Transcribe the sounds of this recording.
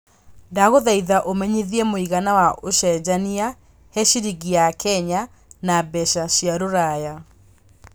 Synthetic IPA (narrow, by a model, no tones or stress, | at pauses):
daɣoðaiðaʔomɛɲeðiɛmoiɣanawaʔoɕɛd͡ʑania | heɕiɾiɣiakɛɲa | nabɛɕaɕiaɾoɾaja